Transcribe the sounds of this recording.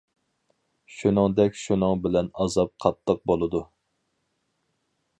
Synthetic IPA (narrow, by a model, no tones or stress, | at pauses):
ʃunɨŋd̪ɛkʲʃunɨŋbɪlɛnɑzɑp̚qʰɑt̪lˠəq̚bolˠɨd̪u